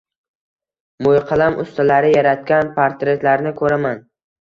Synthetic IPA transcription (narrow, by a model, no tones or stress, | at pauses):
mojqʰɑlˠamʔʊst̪ʰalaɾɪjaɾat̪̚kʲanpʰaɾt̪ɾe̞t̪laɾnɪkʰɵɾaman